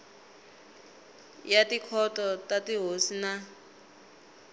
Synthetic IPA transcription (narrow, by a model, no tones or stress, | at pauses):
jatikʰɔtɔtatiɦosina